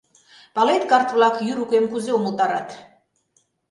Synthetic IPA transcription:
palɛt̪kart̪ʰvlˠakʰjyɾukʼɛmkʰuzɛɔmult̪ʼaɾa̰t̪ʰ

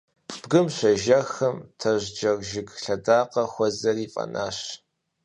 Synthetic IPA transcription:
b̥ɡɨmɕʷɐʒɐxɐmtʰɐʑʷd͡ʒɐrʒɪɡɬɐdaːqɐxʷɔzɐriːfʼɐ̰na̰ːɕ

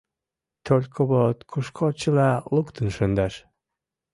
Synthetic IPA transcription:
t̪olʲkʰoβot̪kʰuʃkʰot͡ɕəlɑlukt̪ənʃənd̪ɑʃ

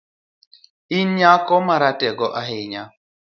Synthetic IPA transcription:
inɲakɔmaɾatɛɡɔʔaɦeɲa

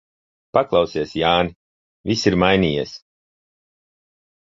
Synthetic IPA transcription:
paklˠɑwsiɛsjaːni | visiɾmajnʲiːjḭs

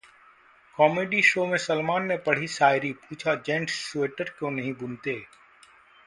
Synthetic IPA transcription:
kɔːmeːɖiʃoːmẽsɐlmaːnːepɐɽ̤isaːɪɾipuːt͡ʃʰad͡ʒɛ̃ːɳʈssueːʈəɾkõnɐɦĩbʊnt̪eː

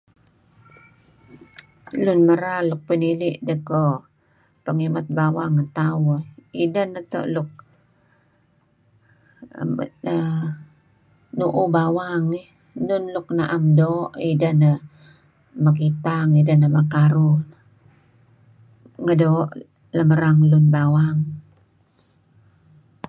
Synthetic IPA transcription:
lunməɾalʊk̚piniliʔdəko | pəŋimat̪̚bawaŋːat̪awoidanət̪o̰ʔlʊk̚ | nuʔubawaŋi | nʊnlʊk̚naʔamdoːʔidəhnə | məkit̪aŋidəhnəməkaɾu | ŋədoʔ | ləməɾaŋlunbawaŋ

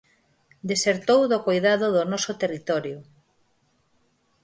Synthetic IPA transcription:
d̪eseɾt̪owðokojðaðoðonɔsʊt̪erit̪ɔɾjʊ

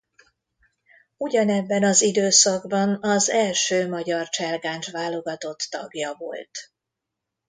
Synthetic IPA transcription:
uɟɒnɛbːɛnɒzid̪øːsɒɡbɒnɒzɛlʃøːmɒɟɒrt͡ʃɛlɡaːnt͡ʃʋaːlːo̞ɡɒt̪o̞t̪ːɒɡjɒvo̞̰lt̪

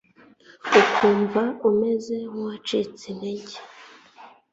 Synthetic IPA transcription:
ukʰuːɱvaume̞zehuwat͡ʃit͡sineɟe̥

